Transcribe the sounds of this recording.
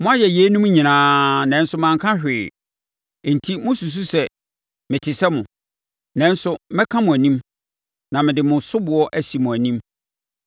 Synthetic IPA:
mʊ̃˦a˦jɛ˨je˨˦nũ˦m˦ɲĩ˨nãː˦nɛ̃˨˦n̩˦sʊ˦mã˨ŋkʰã˦ɕᶣɪː˨ | n̩˨tʰi˦mʊ̃˦su˨s̬u˦sɛ˦ | mɪ̃˨tʰɪ˨sɛ˦mʊ̃˨ | nɛ̃˦n˦sʊ˦mɪ̃˦kʰã˦mʊ̃˨æ˨nĩ˦m | nã˨mɪ̃˨dɪ˨mʊ̃˨sʊ˦bʊ˨ɔ˦ʔæ˨si˨mʊ̃˨æ˨nĩ˦m

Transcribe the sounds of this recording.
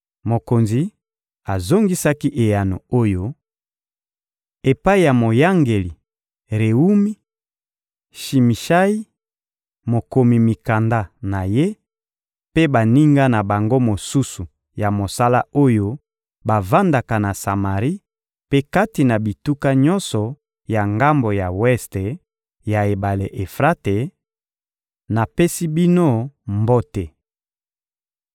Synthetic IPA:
mo˨ko˨nzi˨ | a˨zo˦ŋɡi˦sa˦ki˦ʔe˨ja˨no˨o˦jo˦ | e˨pa˦i˨ja˨mo˨ja˦ŋɡe˨li˨ | ʁe˨u˦mi˦ | ʃi˨mi˨ʃa˦i˦ | mo˨ko˨mi˨mi˨ka˨nda˦na˨je˦ | pe˦ba˨ni˦ŋɡa˦na˨ba˨ŋɡo˦mo˨su˦su˨ | ja˨mo˨sa˦la˦o˦jo˦ | ba˨va˦nda˨ka˨na˨sa˨ma˨ʁi˦ | pe˦ka˦ti˨na˨bi˨tu˦ka˦ɲɔ˦nsɔ˨ | ja˨ŋɡa˦mbo˨ja˨wɛ˦ste˨ | ja˨e˨ba˨le˨ʔe˨fʁa˦te˨ | na˨pe˦si˦bi˦no˦mbo˦te˨

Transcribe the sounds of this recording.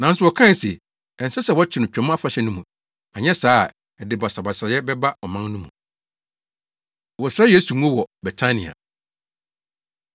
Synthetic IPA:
nã˨n̩˦sʊ˦wɔ˨kʰã˦˨sɛ̰˨ | ɛ˨n̩˨sɛ˦sɛ˨wɔ˦t͡ɕʰɪ˨˦nʊ̃˨t͡ɕᶣɛ̃˨mã˦fa˨ɕɛ˦nũ˦mũ˨ | a˨ɲɛ̃˦saː˦˨ | ɛ˨dɪ˨ba˨sa˨ba˨sa˨˦ɛ˦bɛ˦ba˦ɔ˨mã˦nnũ˦mṵ̃˨ | wɔ˨sɾa˦je˦su˨ŋũ˦ɔ̃˦wɔ˨bɛ˨tʰã˦nḭ̃˨a̰˨

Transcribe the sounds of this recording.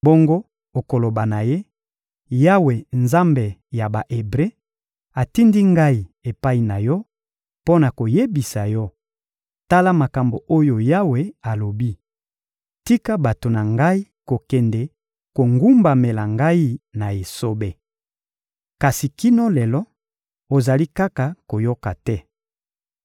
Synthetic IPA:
bo˦ŋɡo˦ | o˨ko˨lo˨ba˨na˨je˦ | ja˦we˨nza˦mbe˨ja˨ba˨ʔe˨bʁe˦ | a˨ti˦ndi˦ŋɡa˦i˨e˨pa˦i˨na˨jɔ˦ | po˦na˨ko˨je˦bi˨sa˨jɔ˦ | ta˦la˦ma˨ka˨mbo˨ʔo˦jo˨ja˦we˨a˨lo˨bi˦ | ti˦ka˦ba˨to˨na˨ŋɡa˦i˦ | ko˨kɛ˨nde˨ | ko˨ŋɡu˦mba˨me˨la˨ŋɡa˦i˦na˨e˨so˦be˨ | ka˨si˨ki˦no˦lɛ˨lɔ˦ | o˨za˨li˦ka˦ka˨ko˨jo˦ka˨tɛ˦

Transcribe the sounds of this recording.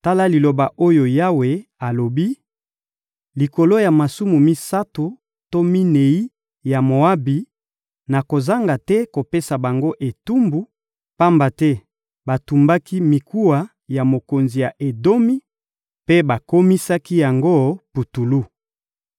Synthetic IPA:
ta˦la˦li˨lo˨ba˨ʔo˦jo˨ja˦we˨a˨lo˨bi˦ | li˨ko˨lo˦ja˨ma˨su˦mu˨mi˦sa˦to˨ | to˦mi˦ne˨i˦ | ja˨mo˨a˦bi˨ | na˨ko˨za˦ŋɡa˨tɛ˦ko˨pe˦sa˨ba˨ŋɡo˦ʔe˨tu˦mbu˨˦ | pa˦mba˨tɛ˦ | ba˨tu˨mba˦ki˦mi˨ku˦wa˨ | ja˨mo˨ko˨nzi˨ja˨ʔe˨do˦mi˦ | pe˦ba˨ko˦mi˦sa˦ki˦ja˨ŋɡo˦pu˨tu˨lu˦

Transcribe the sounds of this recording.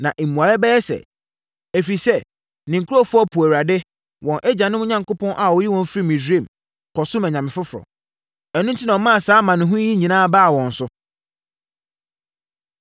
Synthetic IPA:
nã˨ʔe˨mũ˨a˨jɛ˦bɛ˦jɛ˦sɛ̰˨ | æ˨fi˨sɛ˦ | nɪ̃˨ŋ˨kʰu˦ɔ˦fʊ˦ɔ˦pʰu˨æ˨a˨dɪ˦ | wɔ̃˨nʔɛ˦d͡ʑã˨nɪ̃˦mʊ̃˦ɲã˨ŋkʊ˦pʰɔ̃˦nʔa˨wɔ˨˦ji˦wɔ̃˨n˦fɾi˦˨mĩ˨di˦ẽ˦˨m | kʰɔ˨sʊ̃˦mæ˨ɲã˨mɪ̃˨fʊ˦fʊ˨ɾɔ̰˨ | ɛ˨nʊ̃˦n̩˦tʰi˦nã˨ɔ˨mã˦a˨saː˨˦mã˨nʊ̃˨ɦʊ̃˦i˦ɲĩ˨nãː˦baː˦˨wɔ̃˨n̩˨sʊ˦

